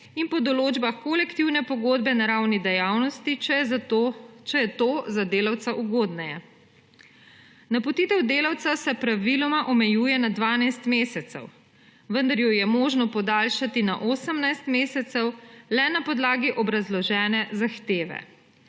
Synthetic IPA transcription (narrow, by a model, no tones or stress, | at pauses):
inpɔd̪ɔloːd͡ʒbaxkolɛkt̪iwnɛpɔɡoːd̪bɛnaɾawnid̪ɛjaːwnɔst̪i | t͡ʃɛjɛt̪oːzad̪eːlawt̪saʔuɡoːd̪nɛjɛ | napɔt̪iːt̪ɛwd̪eːlawt̪sasɛpɾaʋilɔmaʔɔmɛjuːjɛnad̪ʋaːnajst̪meːsɛt̪sɛ̰w | ʋənd̪ɐɾjɔjɛmoːʒnɔpɔd̪aːlʃat̪ina̰ʔoːsəmnajst̪meːsɛt̪sɛwlɛnapɔd̪laːɡiʔɔbɾazlɔʒɛːnɛzaxt̪eːʋɛ̰